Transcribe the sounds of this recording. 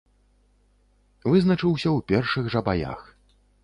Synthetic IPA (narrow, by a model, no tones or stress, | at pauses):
vɨznɐt͡ʂɨwsʲɐwpʲɛrʂɨɣʐɐbaja̰x